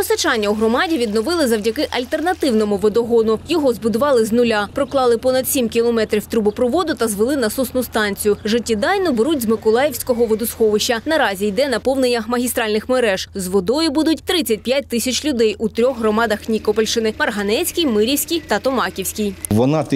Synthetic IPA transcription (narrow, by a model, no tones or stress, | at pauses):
pɔsɐt͡ʃɑnʲːɐuɦɾɔmɑdʲiʋʲid̪nɔʋɪlˠɪzɐwdʲɐkɪʔɐlʲt̪e̞rnɐt̪ɪwnɔmʊʋɔd̪ɔɦɔnʊjɔɦɔzbʊd̪ʊʋɑlˠɪznʊlʲapɾɔklˠɑlˠɪpɔnɐd̪sʲimkʲilˠɔmɛt̪ɾʲiwt̪ɾubʊpɾɔʋɔd̪ʊt̪ɐzʋɪlˠɪnɐsɔsnʊst̪ɑnʲt͡sʲijʊʒɪtʲːid̪ɑjnɔbeɾutʲzmɪkɔlˠɑjewsʲkɔɦɔʋɔd̪ʊsxɔʋɪʃɐnɐɾɑzʲijd̪ɛnɐpɔwnenʲːɐmɐɦʲist̪ɾɑlʲnɪxmeɾɛʒ̥zʋɔd̪ɔjʊbud̪ʊtʲt̪ɾɪt͡sʲːɐt̚ʲpjat̚ʲt̪ɪsʲɐt͡ʃlʲʊd̪ɛjʔut̪ɾʲɔxɦrɔmɑd̪ɐxnʲikɔpɐlʲʃɪnɪmɐrɦɐnɛsʲkʲijmɪɾʲiwsʲkʲijt̪ɐt̪ɔmɑkʲiwsʲkʲijʋɔnɑt̪